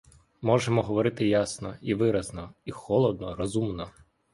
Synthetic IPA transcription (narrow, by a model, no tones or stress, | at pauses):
mɔʒemɔɦɔʋɔɾɪt̪ɪjasnɔiʋɪɾɐznɔixɔlˠɔd̪̚nɔɾɔzumnɔ